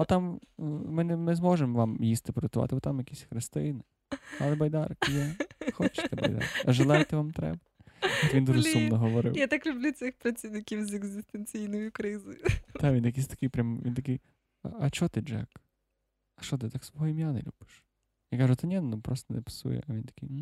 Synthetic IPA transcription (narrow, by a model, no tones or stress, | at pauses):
ɐt̪ɑmmɪnɛmɪzmɔʒemʋɑmjist̪ɪpɔɾʲɐt̪ʊʋɑ̰t̪ɪbɔt̪amjɐkʲisʲxɾɪst̪ɪjnɪ | ɐlˠɛbɐjd̪ɑrkijɛxɔt͡ʃɪ̥t̪ɛbɐ̰jd̪ɑ̰rkɐʒelˠajt̪ɪʋamt̪ɾɛ̰bɐʋind̪uʒʊsumnɔɦɔʋɔɾɪ̰wjat̪aklʲʊblʲusɪxpɾɐt͡sʲiwnɪkʲiwzeɡzʲɪst̪enʲt͡sʲijnɔjʊkɾɪzɔjʊt̪aʋʲinjɐk̬ʲisʲt̪ɐ̥kɪjpɾʲamʋḭnt̪ɐkɪj | ɐɐt͡ʃɔt̪ɪd͡ʒɛ̰k | ɐʃɔt̪ɪt̪aksʋɔɦɔimʲjanɛ̰lʲṵb̥ɪ̥ʃ | jakaʒʊt̪ɪnʲɛnnupɾɔst̪ɔnepɪ̥sṵjɛ̰ʔɐʋʲint̪ɐ̥kɪj